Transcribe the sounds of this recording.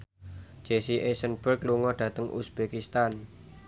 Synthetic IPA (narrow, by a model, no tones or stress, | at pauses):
d͡ʒ̥esiʔesənb̥ərkluŋɔɖ̥ä̤t̪əŋʔṵsb̥ekist̪an